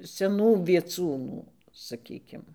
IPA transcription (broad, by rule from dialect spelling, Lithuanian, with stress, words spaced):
sʲɛˈnuː ʋʲiɛˈt͡suːnuː sɐˈkʲiːkʲɪm